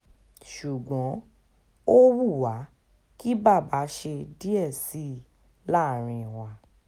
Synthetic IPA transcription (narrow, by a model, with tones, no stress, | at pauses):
ʃu˨ɡɔ̃˨˦ | o˦wu˦˨wa˨˦ | ki˦ba˦˨ba˨˦ʃe˧di˦ɛ˦˨si˦ | la˦˨ɾ̃ĩ˧˨wa˧˦